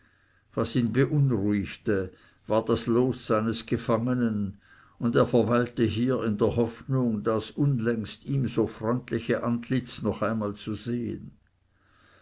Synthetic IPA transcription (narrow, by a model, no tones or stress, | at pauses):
vasiːnbəʔʊnʁuɪçtə | vaːɐd̥asloːsːaɪnəsɡ̥əfaŋənən | ʊndeːɐfɐvaɪltəɦiːɪndeːɐhɔfnʊŋdasʔʊnlɛŋstiːmzoːfʁ̥ɔʏntlɪçəʔantlɪt͡snɔχaɪnmaːlt͡suzeːə̰n